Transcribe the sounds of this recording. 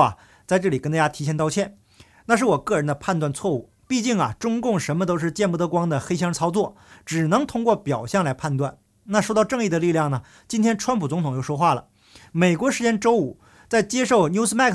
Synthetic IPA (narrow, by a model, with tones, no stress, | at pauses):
ɐ̰˨ | t͡sa˥˧ɪʈ͡ʂɤ˥˩li˨˩kə˥nt̪a˥˧˩ja˥t̪ʰi˧˥ɕjɛ˥˩nt̪ɑ˥˧ʊt͡ɕʰjɛ˥˩n | na˥˧ʂ̬ɻ̩˥˩wɔ˨˩kɤ˥˩ɻə˧˥nd̪ə˧pʰa˥˧nt̪wa˥˧nt͡sʰwɔ˥˧ṵ˥˩ | pi˥˧t͡ɕi˥˩ŋɐ̰˩ʈ͡ʂʊ˥ŋkʊ˥˩ŋʂə˧˥nmə˧t̪o˥ʊʂ̬ɻ̩˥˧t͡ɕjɛ˥˧npu˥˩t̪ɤ˧˥kwɑ˥ŋd̪ə˨xe˥ɪɕjɑ˥ŋt͡sʰɑ˥ʊt͡swɔ˥˩ʈ͡ʂɻ̩˨˩nɤ˧˥ŋt̪ʰʊ˥ŋkwɔ˥˩pjɑ˨˩ʊɕjɛ˥˩ŋla˧˥ɪpʰa˥˧nt̪wa˥˩n | na˥˩ʂo˥ʊt̪ɑ˥˧ʈ͡ʂɤ˥˧ŋi˥˩d̪ə˩li˥˧ljɑ˥˩ŋnə˩ | t͡ɕi˥nt̪ʰjɛ˥nʈ͡ʂʰwa˥npʰu˨˩t͡sʊ˧˥ŋt̪ʰʊ˨ŋjo˥˩ʂwɔ˥xwa˥˩lə̰˩ | me˨˩ɪkwɔ˧˥ʂɻ̩˧˥t͡ɕjɛ˥nʈ͡ʂo˥ʊu˨˩˦ | t͡sa˥˩ɪt͡ɕjɛ˥ʂo˥˩ʊnju˥s̩˥ma˥˩k